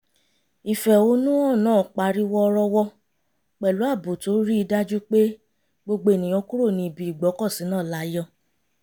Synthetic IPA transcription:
i˨fɛ˨o˨˦nũ˦ɔ˦˨nãː˦˨k͡pa˨ɾi˦wɔ˦ɾɔ˧wɔ˧ | k͡pɛ˨lu˨˦a˦˨bo˨to˨˦ɾi˦i˧da˦d͡ʒu˦k͡pe˦ | ɡ͡bo˧ɡ͡be˧˦e˨nĩ˨j̃ɔ̃˧ku˦ɾo˦˨nĩ˧˨bi˧˨i˨ɡ͡bɔ˨˦kɔ˦˨si˨˦nãː˦˨la˨˦jɔ˧˦

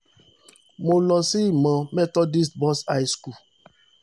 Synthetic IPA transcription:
mo˨lɔ̃˨si˦˨mɔ̃˨mɛ˦tɔ˦di˦stbɔ˦sa˦jsku˦˨

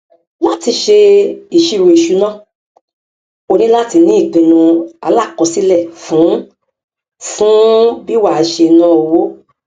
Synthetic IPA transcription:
la˦ti˧ʃe˧i˨ʃi˧ɾu˧i˨ʃu˧nãː˦˨ | o˧nĩ˦la˦ti˧nĩ˨˦i˦˨k͡pĩ˨˧nũ˧a̰˧la˦˨kɔ̃˧si˦lɛ˦˨fũ˨˦ | fũ˦bi˦wa˦˨˧ʃe˧nã˦o˧wo˨˦

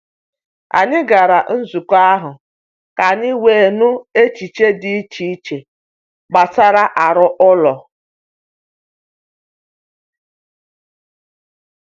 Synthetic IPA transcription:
a̰˨nɪ˦ɡa˨ɾa˨n̩˦zu˨ka˦ɦʊ˨ | ka˨nɪ˦we˨e˨nʊ˦e˦t͡ʃi˨t͡ʃe˦dɪ˦i˦t͡ʃi˦i˦t͡ʃe˨ | ɡ͡ba˨ta˦ɾa˦ʔa˨ɾʊ˦ʔʊ˦lɔ˨

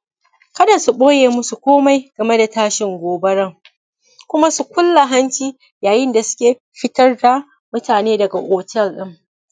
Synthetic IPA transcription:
kɐ˦da˨su˨ɓoː˦jeː˨mʊ˦su˨kʷoː˦ma˦jɡ̥ɐ˨me˦da˨taː˦ʃɪ˨ŋɡʷoː˨bɐ˦ɽɐ˦˨ŋ | kʷʊ˦ma˦su˨kʷʊ˦lːa˨ɦɐ˦nt͡ʃiː˦ | jaː˨jɪ˦nda˨sʊ̥˦kʲeː˨ | ɸɪ˦tɐ˦rda˨ | mʊ˦taː˨neː˦dɐ˨ɡa˨ʔʷoː˨tɛ˦˨lɗɪ˦m

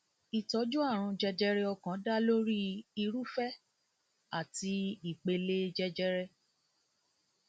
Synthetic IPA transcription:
i˨tɔ˧˦d͡ʒu˦a˦˨ɾ̃ũ˧d͡ʒɛ˧d͡ʒɛ˧ɾɛ˧ɔ˧kã˨˦da˦lo˦ɾi˦i˧ɾu˦fɛ˦ | a˦˨ti˧˦i˦˨k͡pe˧le˦d͡ʒɛ˧d͡ʒɛ˧ɾɛ˧

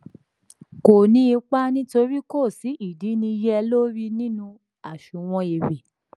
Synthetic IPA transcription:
ko˨nĩ˧˦i˧k͡pa˦nĩ˦to˧ɾi˦ko˦˨si˨˦i˦˨di˨˦nĩ˧jɛ˦˧lo˦ɾi˦nĩ˦nũ˧ | a˨ʃu˨w̃ɔ̃˧e˨ɾe˨

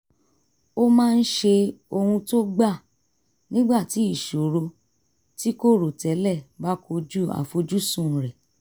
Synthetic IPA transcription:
o˦mãː˦˧n̩˦ʃe˧o˧hũ˧to˦ɡ͡ba˦˨ | nĩ˦ɡ͡ba˦˨ti˨˦i˦˨ʃu˨ɾo˧ | ti˦ko˦˨ɾo˨tɛ˨˦lɛ˦˨ba˦ko˧d͡ʒu˦a̰˨fo˧d͡ʒu˦sũ˦˨ɾɛ˨

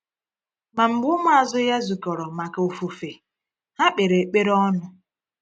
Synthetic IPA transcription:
ma˨m̩˨ɡ͡bʊ˦mʊ˦a˨zʊ˦ja˦zu˨kɔ˨ɾɔ˨ma˨ka˨o˨fu˨fe˨ | ha˦k͡pe˨ɾe˨k͡pe˦ɾɔ˦nʊ˦

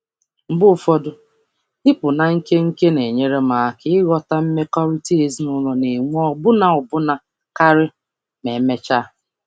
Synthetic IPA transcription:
m̩˨bʊ˦˨fɔ˦dʊ˦ | ɪ˦pʊ˨na˨ŋ̩˦ke˦ŋ̩˦ke˦ne˨ɲe˦ɾe˦ma˨˦˨kɪ˦ɪ˦ɣɔ˦ta˦m̩˦me˦kɔ˦ɾi˦ti˦e˨zi˦nʊ˦lɔ˦ne˨ŋʷ˦ɔɔ˦bʊ˦na˦ɔ˨bʊ˦na˨ | ka˦ɾɪ˦ | me˨˦me˦t͡ʃa˦

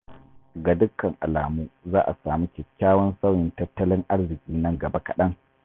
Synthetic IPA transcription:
ɡa˨dʊ˦kːɐ˨ŋʔa̰˨laː˨muː˦zaː˦ʔa˨saː˨miː˦kʲɛ˨kʲːaː˦wɔ˦nsɐ˦wjɪ˦ntɐ˦tːɐ˦lɪ˦ŋʔa˦rzɪ˨kʲʼiː˦nɐ˦ŋɡɐ˨ba˦kɐ̰˨ɗɐ˦ŋ

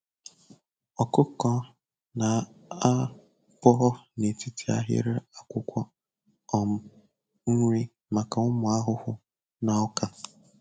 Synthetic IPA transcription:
ɔ˨kʊ˦kɔ˦ | na˨a˦ | pɔ˦ɦɔ˦ne˨ti˦tʰi˨a̰˦ɦɪ̰˦ɾɪ˦a˨kʷʊ˦kʷɔ˦ | ɔ˨m̩˦ | ŋ̩˦ŋʷ˦ɾi˦ | ma˨ka˨ʊ˦mʊ˨a˦ɦʊ˦hʊ˦ | na˨ɔ˦ka˦

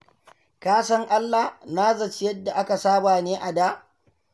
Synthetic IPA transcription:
kaː˦sɐ˦ŋʔa˦lːa˨hnaː˦zɐ˨t͡ʃɪ˦jɐ˦dːa˨ʔa˦ka˨saː˦baː˨neː˦ʔa˨daː˦ʔ

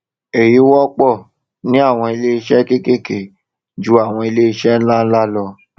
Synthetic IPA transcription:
e˨ji˨˦wɔ˦k͡pɔ˦˨ | nĩ˦a˦˨w̃ɔ̃˧i˧le˦i˧ʃɛ˦ke˦ke˦ke˨ | d͡ʒu˦a˦˨w̃ɔ̃˧i˧le˦i˧ʃɛ˦la˦n̩˦la˦lɔ˧

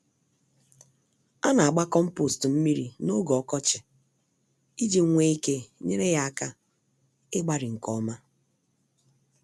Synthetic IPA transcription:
a˦na˨a˨ɡ͡ba˦kɔ˦m̩˦po˦˨stm̩˦mi˦ɾḭ˨no˦ɡɔ˨kɔ˦t͡ʃɪ˨ | i˦d͡ʒi˨˦ŋʷe˦i˦ke˦ɲe˦ɾe˦ja˦a˦˨ka˦ | ɪ˦ɡ͡ba˦ɾɪ˨ŋ̩˨kɔ˦ma˦

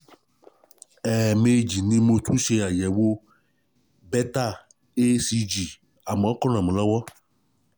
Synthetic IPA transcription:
ɛ˨me˨d͡ʒi˨nĩ˦mo˨t̪ʰu˦ʃe˧a˨jɛ˨wo˦ | bɛ˦t̪a˦˨ | e˦si˦d͡ʒi˨ | a˨ma˨ɔ˦kɔ˦nã˨mẽ˨lɔ˦wɔ˦

